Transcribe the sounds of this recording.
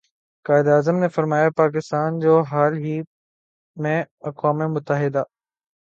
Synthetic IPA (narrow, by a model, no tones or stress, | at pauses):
kaːɪd̪aːzəmnefɐɾmaːjapaːk̬ɪst̪aːnd͡ʑoːɦaːlɦiː | mẽ | ɐkwaːmemʊt̪əɦɪd̪a